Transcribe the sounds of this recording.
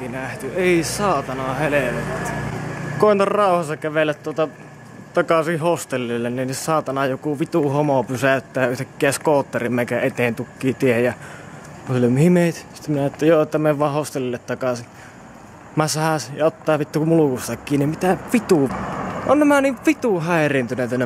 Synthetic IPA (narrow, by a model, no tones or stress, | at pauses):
inæht̪yeˑisɑːt̪ɑnɑheleʋet̪æt̪koˑent̪orrɑˑuhɑstːɑkæʋelːˑæt̪t̪uot̪ɑ | t̪ɑkɑsihhost̪elːilːenninissɑːt̪ɑnɑjokuʋit̪uhomopysæˑt̪ːæːjɑyht̪ækːiæskoːt̪ːerimmæˑkæet̪eˑːnt̪ukːiːt̪iejjɑ | kusolːemhimeˑit̪si̥t̪ːæminæet̪ːæjoːet̪ːæmeʋʋɑˑːhhost̪elːilːet̪t̪ɑkɑsi | mæsɑhæsijɑot̪ːɑːʋit̪ːumulukust̪ɑkːiːnimmit̪æʋit̪uʔonnæmæniʋʋit̪uhæˑerint̪yneˑt̪ːænːe